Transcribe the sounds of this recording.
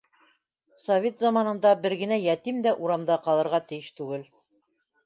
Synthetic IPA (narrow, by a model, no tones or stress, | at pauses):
sɐvʲet̪zɑmɑnɤ̆nd̪ɑbɘɾɡɘ̆næjæt̪imd̪æʔuɾɑmd̪ɑqɑlˠɤ̆ɾʁɑt̪ɘ̆jɘʃt̪ʉɡɘl